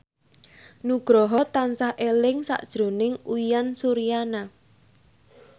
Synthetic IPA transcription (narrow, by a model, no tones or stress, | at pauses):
nuɡ̥ɾɔɦɔt̪ansahʔelɪŋsa̰ʔd̥ʒ̥ɾo̤nɪŋuijansuɾijana